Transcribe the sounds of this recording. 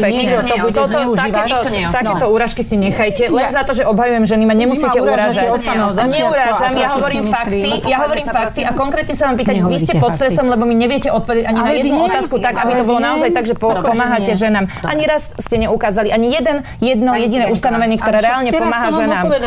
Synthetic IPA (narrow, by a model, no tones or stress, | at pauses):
pɛkɲɛʒɛt̪ɔt̪ɔakɛːkt̪ɔ | t̪ak̪ɛːt̪ɔuɾaːʃkisiɲɛxajcɛlɛnzat̪ɔʒɛʔɔbɦajujɛmʒɛnimaɲɛmusiːcɛuɾaːʒaɲɛukaːʒamjaɦɔʋɔɾiːmfakt̪ijaɦɔʋɔɾiːmfakt̪iʔakɔŋkɾɛːt̪ɲɛsaʋaːmpiːt̪amiscɛpɔt̪st̪ɾɛsɔmlɛbɔmiɲɛʋɪɛcɛʔɔt̪̚pɔʋɛdɛaɲinajɛd̪nuɔt̪aːskut̪aɡabit̪ɔbɔlɔnaɔzajt̪aɡʒɛpɔpɔmaːɦacɛʒɛnaːmʔa̰ɲiɾasscɛɲɛukaːzaliʔaɲijɛd̪ɛn | jɛd̪nɔjɛɟinɛust̪anɔʋɛniːkt̪ɔɾaːɾɛaːlɲɛpɔmaːɦaʒɛnaːm